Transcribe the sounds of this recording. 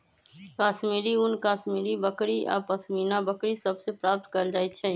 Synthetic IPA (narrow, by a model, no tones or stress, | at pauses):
kaːʃmiːɾiʊnkaːsmiːɾibəkɽiʔa̰ːpəsmiːnabəkɽisəbsepɾaːp̚t̪kəld͡ʒaːit͡ʃʰɛ